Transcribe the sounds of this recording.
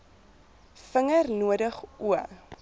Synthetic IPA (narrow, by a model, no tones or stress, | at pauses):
fəŋərnuədəχʔuə